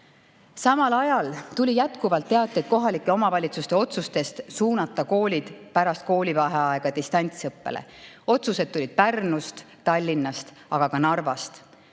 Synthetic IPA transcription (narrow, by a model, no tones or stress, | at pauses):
sɑmɑlɑjɑlt̪ulʲijæt̪kuvɑlt̪ːe̞ɑt̪ːˑet̪̚ko̞ɦɑlikːˑeo̞mɑvɑlʲit̪sust̪e̞o̞t̪sust̪e̞st̪suːnɑt̪ːˑɑko̞ːlʲid̪̥pæɾɑst̪̚ko̞ːlʲivɑɦeɑe̞ɡ̥ɑd̪ist̪ɑnʲt̪sɤpːe̞̰lḛ | o̞t̪suse̞d̪̥̚t̪ːulʲid̪̥̚pærnust̪ | t̪ɑlʲːinːɑst̪ | ɑɡ̥ɑkɑnɑrvɑst̪